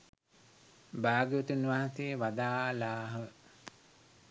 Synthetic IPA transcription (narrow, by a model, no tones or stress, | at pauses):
baːɡʋut̪unʋaːɦãnseʋad̪aːlaːɦə